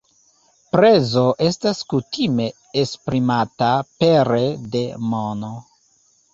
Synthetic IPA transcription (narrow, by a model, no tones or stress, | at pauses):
pɾe̞zo̞ʔe̞staskutime̞ː | spɾimatapeɾede̞mono